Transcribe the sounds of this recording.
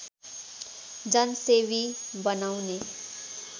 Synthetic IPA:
d͡zʌnseβibʌnawne

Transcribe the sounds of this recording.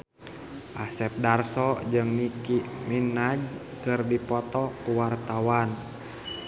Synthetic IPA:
ʔasɛp̚darsɔd͡ʒɨŋnikiminad͡ʒ | kɨrdipɔt̪ɔkuwart̪awan

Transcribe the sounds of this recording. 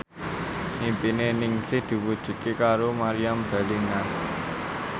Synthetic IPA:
ʔimpinenɪŋsɪhd̪̥i̤wud̥ʒ̥ṳt̪̚kekaɾomaɾijamb̥a̤liŋa

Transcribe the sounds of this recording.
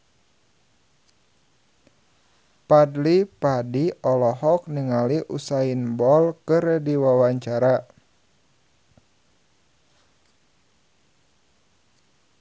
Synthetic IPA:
padlipadiɔlɔɦɔk̚niŋaliʔusainbɔlkəɾɛdiwawaɲt͡ʃaɾa

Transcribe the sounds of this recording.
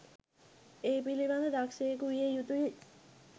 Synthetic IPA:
eːpiliʋand̪əd̪akʃejːkuʋijejut̪uji

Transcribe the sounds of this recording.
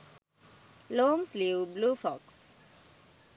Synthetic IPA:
lõːmslibluːfɔks

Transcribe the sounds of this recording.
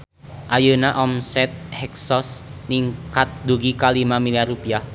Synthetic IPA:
ʔajənaʔɔmsɛt̪̚hɛksɔsniŋkat̪̚duɡikalimamiliarupiah

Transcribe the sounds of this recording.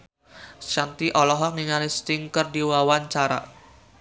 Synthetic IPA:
ʃant̪iʔɔlɔɦɔk̚niŋalist̪iŋkərdiwawaɲt͡ʃaɾa̰

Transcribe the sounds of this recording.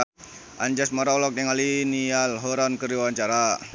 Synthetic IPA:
ʔaɲd͡ʒasmaɾalɔk̚jaŋalinialɦɔɾankəɾiwaɲt͡ʃaɾa

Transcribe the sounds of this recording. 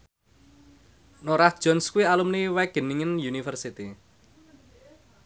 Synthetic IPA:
noɾahd̥ʒ̥ɔ̤nskuwialumniwɛɡ̥ə̤niŋɪnjunifərsit̪i

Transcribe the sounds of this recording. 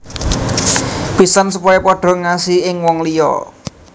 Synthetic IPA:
pisansupɔjepɔɖ̥ɔ̤ŋasiɪŋwɔŋlijɔ̰

